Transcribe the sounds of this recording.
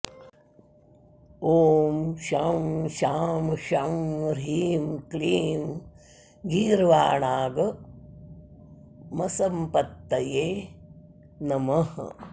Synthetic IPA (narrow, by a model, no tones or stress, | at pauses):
oːmʃaːmʃaːmʃamɾiːmkliːm | ɡiːɾʋaːɳaːɡɐ | mɐsɐmpɐt̪ːɐjeː | nɐmɐh